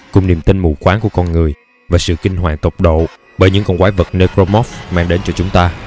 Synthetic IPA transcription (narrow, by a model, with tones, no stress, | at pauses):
kʊ˨˩ŋ͡mni˨˩mt̪i˧nmṵ˧˩xwaː˨˦ŋku˧˩əkɔ˧nŋɨ˨˩əj | vaː˨˩sɨ̰˧˨kï˧ŋ̟ɦwa̰ː˨˩ŋt̪ə˨˩wk͡p̚ɗo̰˧˨ | ɓəː˧˩jɲɨ̰˧˥ŋkɔ˧nkwaː˨˦və˨˩t̚ne˧kɾo˧mɔ˦˥fmaː˧ŋɗe˨˦nt͡ɕɔ˧t͡ɕʊ˨˦ŋ͡mt̪aː˧